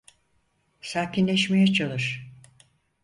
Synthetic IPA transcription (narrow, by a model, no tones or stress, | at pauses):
saːcinlʲɛʃmejɛt͡ʃʰalˠɯɾ̥